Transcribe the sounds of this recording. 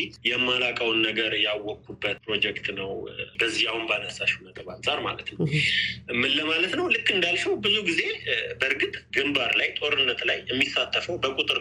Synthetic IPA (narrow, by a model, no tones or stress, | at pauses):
it̪jɛmːalakʼəwnːəɡəɾjawːɔkʰːubːət̪̚pɾo̞d͡ʒɛkt̪nəwbəzːijawnbanəsaʃhunəɡ̪ʼəβansʼaɾma̰lət̪nəw | mɨlːəmalət̪nəwlɨkːɨnd̪alʃɛwbɨzuɡize̞bəɨɾɡɨt̪ʼɡɨmbaɾlajt̪ʼo̞ɾɨnːət̪lajɛmːisːat̪ʰʼːəfəwbəkʼut̪ʼɨɾ